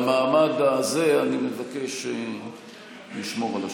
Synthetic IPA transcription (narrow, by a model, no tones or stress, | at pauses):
maːmaɡaze̞animevake̞ʃe | liʃmo̞ʁala